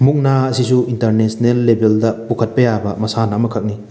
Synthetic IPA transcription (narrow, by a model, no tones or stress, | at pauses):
muk̚naɐsisuintɐɾnesnelːebʱeldɐpukʰɐt̚pɐjabɐmɐsanɐmɐkʰɐk̚ni